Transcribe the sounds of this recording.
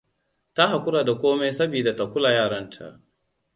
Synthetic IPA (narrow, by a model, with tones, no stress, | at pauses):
ta˦ɦa˨kʷʊ˦ɽaː˨da˨kʷoː˦me˦sɐ˦biː˨da˨ta˨kʷʊ˦la˨jaː˦˨ɽɐ˦ntʰa̰˨ʔ